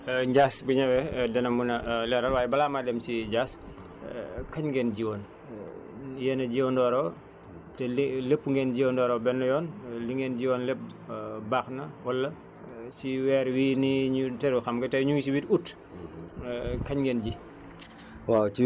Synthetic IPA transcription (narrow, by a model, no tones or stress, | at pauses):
ɲɟaːsbuɲɐwɛdɐnɐmunɐlɛɾɐlwaːjɛbɐlaːmadɛmsiɟaːs | kɐɲŋɡɛnɟiwɔːn | jɛnɐɟiwɔndɔːɾɔː | tɛlepːuŋɡɛnɟiondɔːɾɔbɛnːɔjɔːnliŋɡɛnɟiwɔːnlep̚baːxnɐwɐlːɐ | siwɛːɾwiːniɲutɛɾuxɐmɡɐtɐɲuŋɡisiwitut | kɐɲŋɡɛnɟi | wat͡ʃi